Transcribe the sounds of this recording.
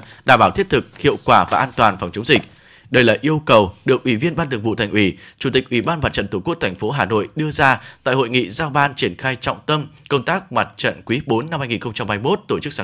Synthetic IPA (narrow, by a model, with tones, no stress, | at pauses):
ɗaː˧˩mɓaː˧˩wt̪ʰi˦˥ət̚t̪ɨ˨˩k̚hḭ˧˨əwkwaː˧˩vaː˨˩ʔaː˧nt̪waː˨˩nfa˨˩wŋ͡mt͡ɕə˨˦wŋ͡mzï˨˩k̚ | ɗə˧jlə̰ː˨˩ʔi˧əwkə˨˩wɗɨ˨˩ək̚ʔwi˧˩vi˧ənɓaː˧nt̪ɨ˨˩əŋvṵ˧˨t̪ʰa˨˩ŋ̟ʔwi˧˩t͡ɕu˧˩t̪ï˨˩k̟̚ʔwi˧˩ɓaː˧nma˨˩t̚t͡ɕə̰˧˨nt̪u˧˩ku˦˥ək̚t̪ʰa˨˩ŋ̟fo˨˦ɦaː˨˩no̰˧˨jɗɨ˧əzaː˧t̪a̰ː˧˨jho̰˧˨jŋḭ˧˨zaː˧wɓaː˧nt͡ɕi˧˩ənxaː˧jt͡ɕɔ̰˧˨wŋ͡mt̪ə˧mkə˧wŋ͡mt̪aː˦˥k̚ma˨˩t̚t͡ɕə̰˧˨nkwi˨˦ɓo˨˦nːa˧mhaː˧jŋi˨˩xə˧ŋ͡mt͡ɕa˧mhaː˧jmo˦˥t̚t̪o˧˩t͡ɕɨ˦˥k̚sa˨˦